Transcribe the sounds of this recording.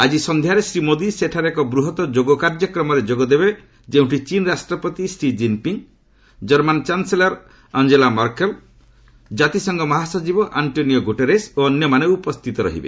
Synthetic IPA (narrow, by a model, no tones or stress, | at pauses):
ad͡ʒisɔnd̪ʱjaɾesɾimod̪iseʈʰaɾekɔbɾuɦɔt̪ɔd͡ʒoɡɔkaɾd͡ʒɔkɾɔmɔɾed͡ʒoɡɔd̪ebe | d͡ʒeũɳʈʰit͡ʃinɾasʈɾɔpɔt̪isɾid͡ʒimpiŋ | d͡ʒɔɾmant͡ʃanselaɾ | ɔnd͡ʒelamɔɾkel | d͡ʒat̪isɔŋɡɔmɔɦasɔd͡ʒibɔʔaɳʈonijɔɡuʈeɾesoɔnjɔmaneupɔst̪ʰit̪ɔɾɔ̰ɦḭbḛ